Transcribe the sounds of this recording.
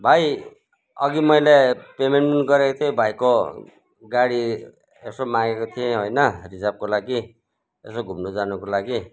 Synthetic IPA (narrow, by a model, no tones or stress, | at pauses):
bʱaj | ʌɡimʌjlepemeɳʈunɡʌɾekot̪ʰebʱajko | ɡaɽi | esomaɡekot̪ʰijẽɦojnʌrisab̚kolaɡi | esoɡʱumnod͡zanukolaɡi